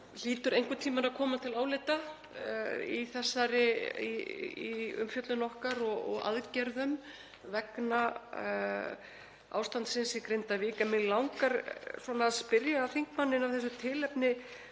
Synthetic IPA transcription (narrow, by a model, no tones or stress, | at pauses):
liːt̪ʏɾejŋ̥kʏt̪ʰiːmaɾaðkʰɔːmat̪ʰɪlaːwlɪt̪a | iθɛsːaɾɪiiʏ̰mfjœt̪lʏnɔhkaɾɔɣɔ̰ɣa̰ðcɛɾðʏm | vɛkna | a̰ːwst̪ant̪sɪnsikɾent̪aviːkɛnmɪnlawŋkaɾswɔːnaːðspɪɾjaːθiŋkmanːɪnavθɛs̬ːʏt̪ʰɪlɛpnɪ